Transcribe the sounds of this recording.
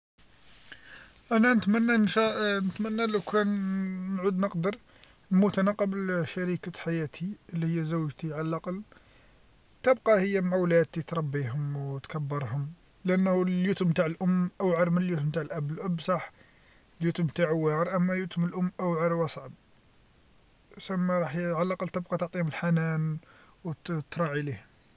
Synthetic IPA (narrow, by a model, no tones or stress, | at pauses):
ʔænænət̪mænːænʃænət̪mænːælæwkʰænnʕud̪nəqd̪əɾ | lmʊt̪ænɑqːəblʃæɾikaħajæt̪ʰiəlːihəjːæzəwːʒt̪iʕalælʔɑql | t̪əbqɑhəjːæmʕawlæd̪̚t̪it̪ɾˤɑbːiɦʊmwt̪kæbːəɾˤhʊm | lʔænːhjut̪ʊmt̪aʕəlʔʊmːʔæwʕɑɾmənəljut̪mt̪aʕəlʔæblʔəbsˤɑħ | ljut̪ʊmt̪aʕwːɑɾˤʔæmːæjut̪ʊməlʔʊmːʔæwʕɑɾwɑsˤʕɑb̚ | sæmːæɾˤɑħjʕalʔɑqəlt̪əb̚qɑt̪oʕt̪ˤihʊməlħanænwt̪ɾˤɑʕilihʊm